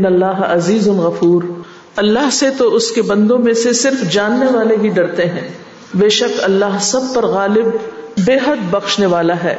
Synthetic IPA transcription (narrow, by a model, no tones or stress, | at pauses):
nɐlːaːɦɐziːzʊnɣɐfuːɾ | ɐlːaːɦset̪oʔʊskebɐ̃nd̪õmẽsesɪɾfd͡ʒaːnːeʋaːleɦiɖɐɾt̪eɦɛ̃ː | beːʃɐkɐlːaːɦsɐb̚pɐɾɣaːlɪbːeːɦəd̪̚bɐxʃneʋaːlaɦɛ̰ː